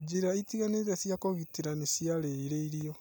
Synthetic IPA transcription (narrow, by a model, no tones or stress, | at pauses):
d͡ʒiɾaitiɣaneɾesjakoɣitiɾanisijaɾeiɾeiɾio